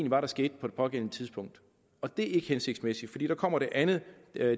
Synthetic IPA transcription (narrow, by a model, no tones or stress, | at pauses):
nliʋɑ̈ɾɑ̈sɡ̥e̝ːd̥əpʰɒ̽e̥d̥̚pʰɒ̽ɡ̥en̰n̩ət͡sʰiðˠsb̥ɔ̽ŋ̰d̥ | ɒ̽d̥e̝e̝ɡ̥əhense̝ɡ̥̚d̥smesid̥fɒ̽d̥ḭːd̥ɑ̈kʰɒ̽m̰ɐɾ̥e̝ʔænð̩ˠ